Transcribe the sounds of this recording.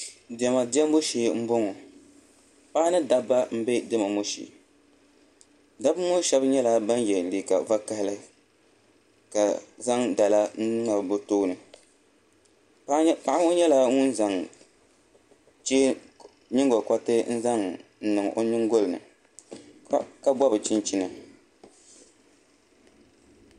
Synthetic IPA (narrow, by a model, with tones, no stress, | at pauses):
dɪ˨ɛ˨ma˨dɪ˦ɛ˦m˦bʊ˦ʃeː˦m̩˦bo˦ŋɔ˨ | pa˦nɨ˦da˦bːa˦m̩˦be˦dɨ˦ma˨mo˦ʃḭ˨ | da˦bmʊ˦ʃɛ˦bɲɛ˦la˦ba˦njɛ˨li˨ka̰˨va˦ka˦hlɨ˦ | ka˨za˦ŋda˨la˦n̩˦nɨ˦na˨bbʊ˦toː˦nɨ˨ | pa˨ʔa˦o˦ɲɛ˦la˦ŋʊ˦n˦za˨ŋ | t͡ʃeː˦ | ɲɪ˦ŋɡo˨kʷa˦tɨ˦n̩˦za˦ŋn̩˨nɨ˨ŋʔo̰˦nɪ˦ŋɡo˦lɨ˨nɨ̰˨ | ka˦bɔ˦bɨ˨t͡ʃi˦nt͡ʃi˦nɨ˨